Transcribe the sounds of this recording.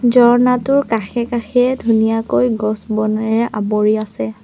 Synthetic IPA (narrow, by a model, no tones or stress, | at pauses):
zɔɹnatʊɹkaxɛkaxɛdʱunijakojɡɔsbɔnaɹɛʔabɔɹiasɛ